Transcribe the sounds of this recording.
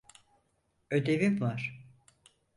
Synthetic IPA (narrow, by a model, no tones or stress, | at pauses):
ød̪evimvaɾ̥